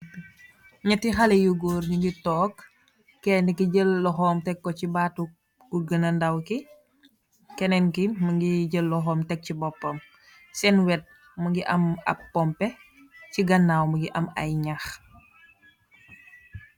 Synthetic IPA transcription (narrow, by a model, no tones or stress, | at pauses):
ɲɐtːixalɛjuɡuɾɲuŋɡitɔːkː | ɛndikiɟəlːɔxɔːmtɛkːɔcibatu | kuɡənɐndɐwki | kɛnɛnkiməŋɡiɟəlːɔxɔːmtɛk̚cibɔpːɐm | sɛnwɛt̚ | məŋɡiʔɐmɐ̰pːɔmpɛ | ciɡɐnːawməŋɡiʔɐmɐ̰jɲax